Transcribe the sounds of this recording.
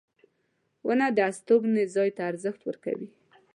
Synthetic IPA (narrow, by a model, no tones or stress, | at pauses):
wʔənad̪əast̪oɡnezɑjt̪aːɾzəxt̪wəɾka̰wi